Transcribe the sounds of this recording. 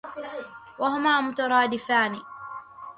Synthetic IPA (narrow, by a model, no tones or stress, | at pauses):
waɦʊmaːmʊt̪ɑɾˤɑːd̪ɪfaːni